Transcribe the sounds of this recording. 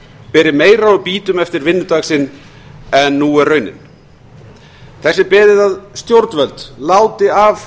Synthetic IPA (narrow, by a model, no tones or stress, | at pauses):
pɛːɾɪmeːjɾaɔpiːt̪ʏmɛft̪ɪɾvɪnːʏt̪aːksɪn | ɛnːuːɛrœɥnɪ̰n | θɛsːɪpɪːðɪðaðst̪jowɾt̪nvœlt̪laːwt̪ɪav